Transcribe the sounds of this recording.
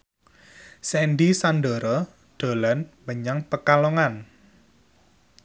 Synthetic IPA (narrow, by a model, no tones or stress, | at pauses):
sɛnɖisanɖɔɾɔ | ɖ̪̥o̤lanməɲaŋpəkalɔŋan